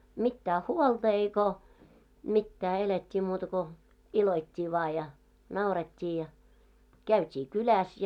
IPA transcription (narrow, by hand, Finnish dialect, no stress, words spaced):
mitːæː huoltɑ eiko mitːæː eletʲːiː muːtɑ ko iloitʲːiː ʋɑː jɑ nɑuretʲːiː jɑ kæytʲiː kylæs